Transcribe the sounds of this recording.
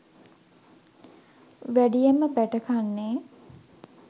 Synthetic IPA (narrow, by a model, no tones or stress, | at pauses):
ʋæɖijeməbæʈəkanːeː